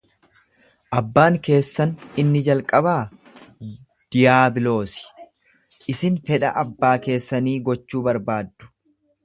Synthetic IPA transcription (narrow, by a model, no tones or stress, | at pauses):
ʔɐbːaːŋke̞ːsːɐnɪnːɪd͡ʒɐlkʼɐbaː | d̪̥ɪjaːbɪlo̞ːsɪ̥ | ʔɪsɪnfɛᶑɐʔɐbːaːke̞ːsːɐniːɡɔt͡ʃːuːbɐɾbaːd̪ːʊ̥